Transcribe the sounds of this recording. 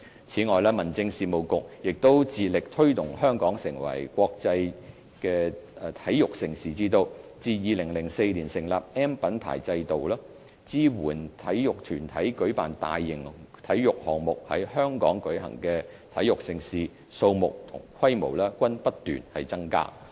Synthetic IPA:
t͡sʰiː˨˥ŋɔː˨jlɛː˥mɐ˨˩nt͡sɪ˧ŋsiː˨mo˨˩wkʊ˨k̚jɪ˨k̚t̪o˥wt͡siː˨lɪ˨k̚t̪ʰɵ˥ɥt̪ʊ˨˩ŋhœː˥ŋkɔː˨˥ŋsɪ˨˩ŋwɐ̰˨˩jkʷɔː˧k̚t͡sɐ˧j | kɛː˧˨t̪ʰɐ˨˥jjʊ˨k̚sɪ˨ŋsiː˨t͡siː˧t̪o˧wt͡siː˧jiː˨˧lɪ˨˩ŋlɪ˨˩ŋse˧jliː˨˩nsɪ˨˩ŋlaː˨p̚ɛː˥mpɐ˨˥npʰa̰ː˨˩jt͡sɐ˧jt̪o˨wlaː˥ | t͡siː˥wuː˨˩nt̪ʰɐ˨˥jjʊ˨k̚t̪ʰyː˨˩nt̪ʰɐ˨˥jkɵ˨˥ɥpa̰ː˨˩nt̪a̰ː˨jːɪ˨˩ŋt̪ʰɐ˨˥jjʊ˨k̚hɔː˨˩ŋmʊ˨k̚hɐ̰˨˥jhœː˥ŋkɔ̰ː˨˥ŋkɵ˨˥ɦɐ̰˨˩ŋkɛː˧t̪ʰɐ˨˥jʊ˨k̚sɪ˨ŋsiː˨ | so˧wmʊ̰˨k̚t̪ʰʊ̰˨˩ŋkʰwɐ˥jmo˨˩wlɛː˥kʷɐ˥npɐ˥t̚t̪y̰ː˨˩nhɐ˨jt͡sɐ˥ŋka̰ː˥

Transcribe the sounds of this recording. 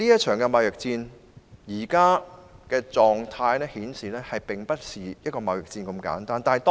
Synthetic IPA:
liː˥jɐ˥t̚t͡ʃʰœː˨˩ŋkɛ˧mɐ˨wjɪ˨k̚t͡siː˧n | jiː˨˩kaː˥kɛː˧t͡sɔː˨ŋt̪ʰaː˧jnɛː˥hiː˨˥nsiː˨lɛː˥hɐ˨jpɪ˨ŋpɐ˥t̚siː˨jɐ˥t̚kɔː˧mɐ˨wjɪ˨k̚t͡siː˧nko˧mka̰ː˨˥nt̪aː˥nt̪aː˨nɐ˨˩t̪ː

